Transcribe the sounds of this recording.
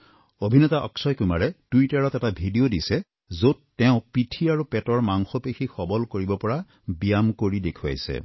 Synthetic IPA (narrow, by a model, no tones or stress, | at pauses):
obʱinɔtaʔɔ̰ksɔjkumaɹɛtuitaɹɔtɛtabʱidiodisɛ | zotːɛʊ̃pitʰiaɹupɛtɔɹmaŋxɔpexʰixɔbɔlkoɹibɔpɔɹa | bijamkoɹidekʰua̰jsɛ̰